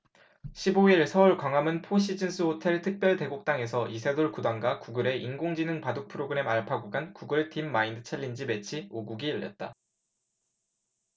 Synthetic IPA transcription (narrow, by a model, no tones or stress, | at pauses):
ɕʰiboiɭsʰʌuɭkwaŋwamɯnpʰoɕ͈ʰid͡ʑɯns͈ʰɯotʰe̞ɭtʰɯk̚p͈jʌɭte̞ɡok̚t͈aŋe̞sʰʌʔisʰedoɭkudaŋɡakuɡɯɾe̞inɡoŋd͡ʑinɯŋpadok̚pʰɯɾoɡɯɾe̞maɭpʰaɡuɡankuɡɯɭtʰimːaindɯt͡ɕʰeʎːind͡ʑime̞t͡ɕʰioɡuɡiɯʎːʌ̰t̚t͈a̰